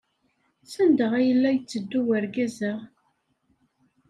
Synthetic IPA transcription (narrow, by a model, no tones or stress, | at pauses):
sænd̪əʁæjəlːæjət͡sːəd̪ːuwæɾɡæzəʁ